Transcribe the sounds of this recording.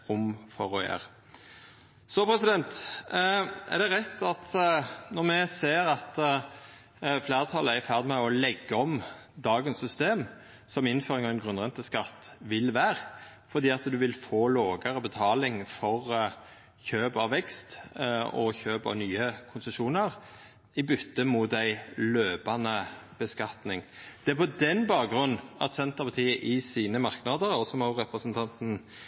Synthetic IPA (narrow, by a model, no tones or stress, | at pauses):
ʊmfɔʁɔjæ̰ːʁ | sɔpʰɾɛsɪd̪ɛnt̪ | ɛ̰ʁd̪ɛʁɛt̪ːɑt̪nɔʁmɛseːʁɑt̪ | fleːʁt̪ʰɑləæfæʁd̪mɛɔlɛɡːəɔmd̪ɑːɡənsʏst̪eːm | sɔmɪnːføːɾɪŋɑʋɛnɡʁʉnʁɛnt̪əskɑt̪ːʋɪlʋæːʁfɔʁd̪iːɑt̪d̪ʉʋɪlfoːloːɡəɾəbət̪ʰɑːlɪŋfɔʁ | çøːbɑʋɛkst̪ɔ̰çøːbɔ̰nyːəkʰʊnsəʃuːnəʁ | ɪbʏt̪ːəmut̪æɪløːbɑnəb̥əskɑt̪nɪŋd̪̥ɛæpʰɔd̪ɛnbɑːkɡɾʉnːn̩ɑ̰t̪sɛnt̪əpʰɑt̪ʰiːəʔɪsiːnəmɑʁknɑd̪əʁɔsɔmɑʁɛpɾəsənt̪ʰɑnt̪n̩